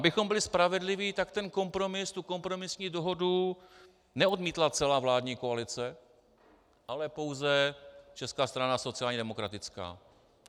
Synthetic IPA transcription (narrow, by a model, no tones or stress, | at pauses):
ʔabɪxo̞mbɪlɪspɾavɛdlɪviːt̪akt̪ɛnko̞mpɾo̞mɪst̪uko̞mpɾo̞mɪsɲiːdoɦo̞du | nɛo̞dmiːt̪lat͡sɛlaːvlaːdɲiːkoalɪt͡sɛ | ʔalɛpo̞wzɛt͡ʃɛskaːst̪ɾanaso̞t͡sɪaːlɲɛdɛmo̞kɾat̪ɪt͡ska̰ː